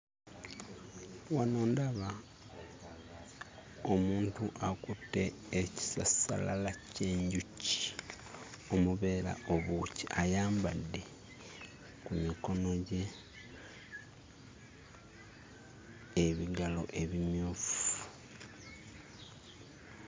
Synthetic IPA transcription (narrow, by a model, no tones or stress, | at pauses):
wanoːndaβa | omuːntuʔakutːe̞ː | ci̥sasa̰lalace̞ːɲɟuci̥ | o̞muβe̞ːɾa̰o̞βuciʔajaːmbadːe̞ | kumiko̞no̞ɟe̞ | βiɡalo̞̰ʔe̞βimjuːfu̥